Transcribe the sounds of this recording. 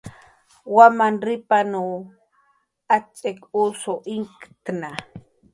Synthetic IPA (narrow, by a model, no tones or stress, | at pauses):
wamanɾɪpanu | at͡ʃʼekusoʔiŋkt̪na